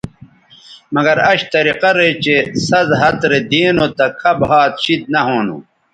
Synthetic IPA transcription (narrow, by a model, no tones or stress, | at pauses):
mɐɡɐɾɐɕt̪ɐɾiqɐɾet͡ɕesɐzɦɐt̪ɾed̪iːnot̪ɐkʰɐbɦaːt̪̚ɕid̪̚nɐɦoːnṵ